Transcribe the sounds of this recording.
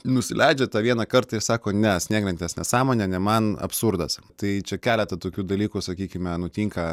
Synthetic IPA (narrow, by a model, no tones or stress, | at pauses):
nʊsʲɪlʲɛɪd͡ʒʲɛt̪ɑːʋʲiɛnɑkɐɾt̪ɐɪsɑːkoːnʲɛsʲnʲiːɡlʲɛnt̪ʲɛsnʲɛsɑːmoːnʲɛnʲɛmɐnɐ̰psurd̪ɐst̪ɐɪt͡ʃʲɛkʲæːlʲɛt̪ɐt̪oːkʲuːd̪ɐlʲiːkʊsɐkʲiːkʲɪmʲɛnʊt̪ʲiŋkɐ